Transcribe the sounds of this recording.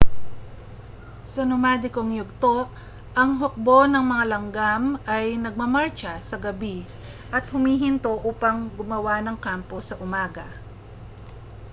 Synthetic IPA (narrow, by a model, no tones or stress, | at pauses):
sɐnomaːd̪ɪkoŋjʊɡ̚t̪o̞ʔ | ʔɐŋɦok̚bo̞nɐŋmɐŋalɐŋɡamɐjnɐɡ̚mɐmaɹt͡ʃɐsɐɡɐbi | ʔɐt̪hʊmiːɦɪnt̪o̞ʔuːpɐŋɡʊmɐwanɐŋkampo̞sɐʔʊmaːɡɐ